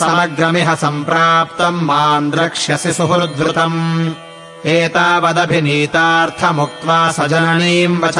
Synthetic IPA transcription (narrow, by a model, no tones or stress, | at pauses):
sɐmɐɡɾɐmiɦɐsɐmpɾaːpt̪ɐmːaːnd̪ɾɐkʂjɐsisuɦuɾd̪ʋɾɪt̪ɐm | eːt̪aːʋɐd̪ɐbʱiniːt̪aːɾt̪ʰɐmuk̚t̪ʋaːsɐd͡ʒɐnɐniːmʋɐt͡ʃʰ